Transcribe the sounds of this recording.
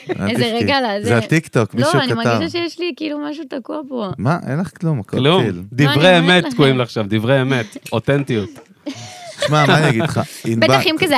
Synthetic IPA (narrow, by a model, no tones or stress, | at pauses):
a̰ezeʁeɡalazzeat̪ikt̪okmliouaniamaaɡivʃaʃejeʃlikiilumaʃut̪akuapomaʔenleχklumakklumld̪ivʁeemet̪koimleaχʃavd̪ivʁeemet̪ot̪ent̪ijut̪ | ʃmamaaniɡiχainbeb̪aχimkaze